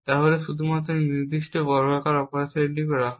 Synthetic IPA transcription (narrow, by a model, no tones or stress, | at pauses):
t̪aɦoleʃud̪ʱumat̪ːɾoɾniɾd̪iʃʈebɔɾɡʱakaɾɔpoɾaseɾnibeɾa